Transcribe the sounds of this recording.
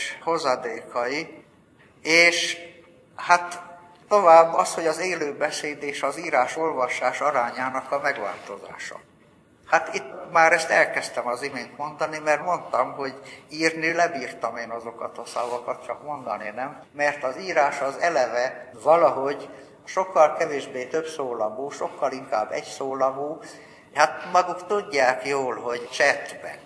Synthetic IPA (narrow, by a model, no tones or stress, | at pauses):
ʃho̞zɒd̪eːkɒi | eːʃ | hat̪ː | o̞vaːbːɒsho̞ɟɒzeːløːbɛseːd̪eːʃɒziːɾaːʃo̞lvɒʃaːʃɒɾaːɲaːnɒkɒmɛɡʋa̰ːlt̪o̞za̰ːʃɒ̰ | hat̪it̪ːmaːɾɛst̪ɛlkɛst̪ɛmɒzimeːnt̪mo̞nd̪ɒnimɛrt̪mo̞nt̪ɒmɦo̞ɟiːrnilɛbiːrt̪ɒmeːnɒzo̞kɒt̪ɒsɒ̰vɒkɒt̪̚t͡ʃɒkmond̪ɒ̰ninɛmːɛrt̪ɒziːɾaːʃɒzɛlɛvɛ | vɒlɒɦo̞ɟ | ʃo̞kːɒlkɛveːʒbeːt̪øbsoːlɒmuːʃo̞kːɒliŋka̰ːbːɛ̰ɟsoːlɒmuː | hat̪mɒɡukt̪uɟːaːkjoːlɦoɟt͡ʃɛt̪bɛ̰